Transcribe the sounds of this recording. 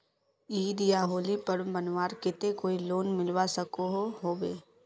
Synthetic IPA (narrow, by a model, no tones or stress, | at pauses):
iːd̪ijaɦoːlipəɾmbənʋaːɾkɪt̪ekoːiloːnmɪlwasɐkoɦoɦoːbḛː